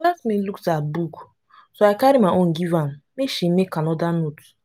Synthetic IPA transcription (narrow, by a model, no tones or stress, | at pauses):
lɛsmiluktabuku | soakaɾimaʔoŋ̩ɡivan̩meʃimekanɔdanutu̥